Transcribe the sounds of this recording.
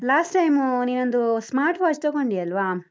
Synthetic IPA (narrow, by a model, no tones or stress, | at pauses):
laːsʈːɐjmniːnond̪usmaːɾʈʋaːt͡ʃt̪oɡoɳɖiɐlʋa